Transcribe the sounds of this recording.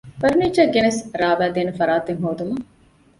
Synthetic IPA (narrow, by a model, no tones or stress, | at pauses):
pɐɾniːd͡ʒɐɡenɐsɾaːʋæːd̪eːnefɐɾaːt̪eŋɦoːd̪umɐ